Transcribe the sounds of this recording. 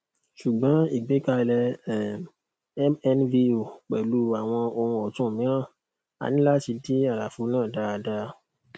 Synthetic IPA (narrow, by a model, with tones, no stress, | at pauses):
ʃu˨ɡ͡bɔ̃˨˦i˨ɡ͡be˨˦ka˧lɛ˧˨˦ | mɛ˧nvi˧o˨k͡pɛ˨lu˨˦a˨w̃ɔ̃˧õ˧ũ˧ɔ˨tũ˦˨mĩ˨˦ɾ̃ã˦˨ | a̰˨nĩ˦la˦ti˧˦di˦a˦˨la˨fu˨˦nãː˦˨da˧˦a˧da˧